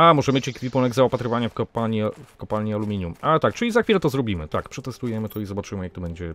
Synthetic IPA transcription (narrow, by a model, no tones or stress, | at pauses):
amɔʐɛmʲjet͡ɕjɛkʲvʲipunɛɡzaɔpat̪ɾɘvaɲafkɔpaɲifkɔpalɲiɔlumʲiɲumalɛt̪ak̚t͡ʂɘlʲizaxfʲilɛt̪ɔzɾɔbʲimɘt̪akpʂɛt̪ɛst̪ujɛmɘt̪ɔizɔbat͡ʂɘmɘjakt̪ɔbɛɲd͡ʑɛ